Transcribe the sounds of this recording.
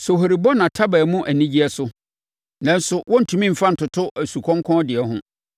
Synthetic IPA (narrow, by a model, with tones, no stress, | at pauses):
so˨ɦo˨ɾi˨bɔ˦nã˨tʰa˦bɛ˨mũ˦ʔæ˨nĩ˦d͡ʑi˦ɛ˦sʊ˦ | nã˦n˦sʊ˨wʔɔ̃˦n̩˨tʰũ˨mĩ˦m̩˨fa˦n̩˨tʊ˨tʰʊ˦ʔæ˨su˨kʰɔ̃˦ŋkʰɔ̃˦dɪ˨ɛ˨ɦʊ̃˦